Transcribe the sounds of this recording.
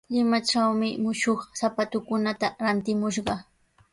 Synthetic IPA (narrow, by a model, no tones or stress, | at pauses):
lɪmat͡ʃawmɪmʊʃoχsapat̪ʊkʊnat̪aɾant̪ɪmʊʃɢɑ